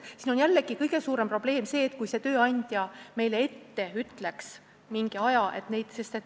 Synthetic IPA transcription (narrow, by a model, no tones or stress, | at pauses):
siːno̞njælːeɡ̥ikɤjɡ̥e̞suːɾe̞mpro̞b̥le̞ːmse̞ːt̪̚ːˑkujse̞t̪ø̞ːɑnʲd̪̥ʲjɑme̞jle̞e̞t̪ːe̞yt̪le̞ks | miŋɡ̥iɑjɑʔe̞t̪ne̞jd̪̥se̞st̪et̪